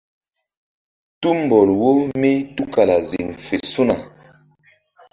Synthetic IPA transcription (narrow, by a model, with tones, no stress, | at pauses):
tu˦m˨bɔ˨lwo˦mi˦tu˦ka˨la˨zḭ˨ŋfe˨su˦na˨